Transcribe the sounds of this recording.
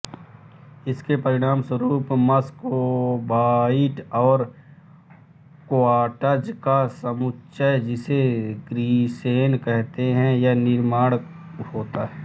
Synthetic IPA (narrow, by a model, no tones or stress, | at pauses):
ɪskepɐɾɪɽ̃aːmswəɾuːpmɐskobaːɪʈɔːɾ | koaːʈəd͡ʒkasəmʊtːʃəd͡ʒɪseɡɾiːseːnkɛɦt̪eɦɛ̃janɪɾmaːɽ | hoːt̪aɦɛː